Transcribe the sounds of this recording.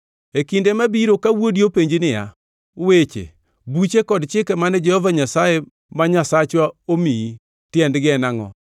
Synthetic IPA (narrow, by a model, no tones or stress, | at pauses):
ekindemabiɾokawodjopeɲd͡ʒinɪja̰ | wet͡ʃḛ | but͡ʃekɔdt͡ʃɪkɛmanɛd͡ʒɛhɔvaɲasaje | maɲasat͡ʃwaomii | tjɛndɡɪɛnaŋɔ̰